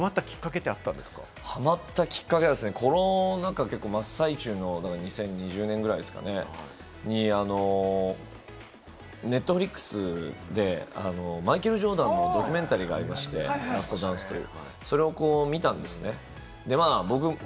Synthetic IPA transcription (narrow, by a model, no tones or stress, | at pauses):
mat̪ːakʲi̥kːake̞t̪eat̪ːãnd̪esɨ̥ka̰ | hamat̪ːakʲi̥kːake̞d̪esɨne̞kʰo̞ɾonãŋkake̞kːo̞ːmasait͡ɕɨːno̞d̪akaɲ̟isẽ̞ɲ̟ːiʑɨːnẽ̞ŋɡɯ̟ɾaid̪esɨ̥ka̰ne | ɲ̟iano̞ | ne̞t̪ːo̞ɸɯ̟ɾʲikːɯ̥sɨd̪e̞a̰no̞maikeɾɯ̟ʑo̞ːd̪ãnːo̞d̪o̞kʲy̟mẽ̞nt̪aɾʲiːɡa̰ːɾʲimaɕi̥t̪e̞̰ɾasɨ̥t̪o̞d̪ãɰ̃sɨ̥t̪o̞jɯ̰ː | so̞ɾe̞o̞ko̞ːmʲit̪ãnd̪e̞sɨne̞ | d̪e̞maːbo̞k̬ɯ̟